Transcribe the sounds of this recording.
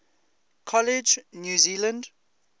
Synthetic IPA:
kʰɔlɪd͡ʒnjuːziːlə̃nd

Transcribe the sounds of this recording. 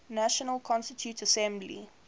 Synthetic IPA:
naʃənəlkʰɔ̃nstətʰjutʰəsɛ̃mblḭ

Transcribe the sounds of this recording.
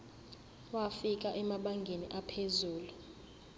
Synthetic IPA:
wafik̬ʼaʔɛmaɓaŋɡʱeniʔapʰezuːlu

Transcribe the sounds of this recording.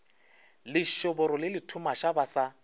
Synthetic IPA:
lɪʃʊbʊɾɔlɪlɪtʰumaʃabasa

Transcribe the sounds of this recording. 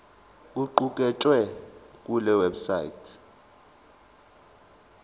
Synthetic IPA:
kʼuǃukʼɛt͡ʃʼwɛk̬ʼulɛwɛbsa̰jḭtʰ

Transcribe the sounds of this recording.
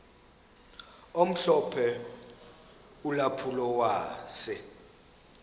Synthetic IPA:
om̩ɬɔpʰɛ | ulapʰulɔwaːsɛ

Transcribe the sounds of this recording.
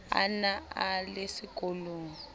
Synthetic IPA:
a̰naalesiɡ̥ʱoloːŋɔ

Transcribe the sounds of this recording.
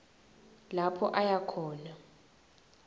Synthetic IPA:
lapʰɔʔajakʰɔːla

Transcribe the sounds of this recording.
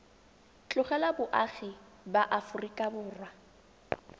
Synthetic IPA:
t͡ɬʼʊχɛlabʊʔaχi | baʔafʊrikʼabʊːrwa

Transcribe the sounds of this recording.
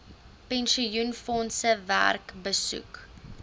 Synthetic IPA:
pɛnʃijunfɔnsəvæ̰rkbəsṵk

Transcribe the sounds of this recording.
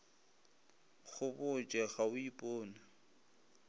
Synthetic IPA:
ɣʰʊbʊt͡ʃʼɛɣaʊipʼoːnɪ

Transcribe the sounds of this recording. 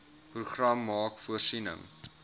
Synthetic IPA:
pruχrɐmːɑːkfuərsinə̰ŋ

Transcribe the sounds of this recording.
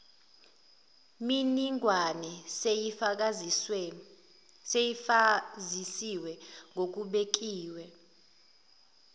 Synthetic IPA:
miniŋɡʱwanɛsejifk̬ʼa | se | zisiwɛŋʱok̬ʼuɓek̬ʼiːwɛ

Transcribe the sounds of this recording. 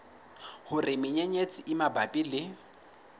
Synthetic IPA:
hʊrɪmɪɲeɲet͡sʼɪʔɪmabapʼilɪ

